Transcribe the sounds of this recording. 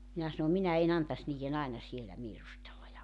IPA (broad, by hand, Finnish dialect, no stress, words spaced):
minæ sɑno minæ en ɑntɑs niːjen ɑenɑ sielæ ʋiːrustelːɑ jɑ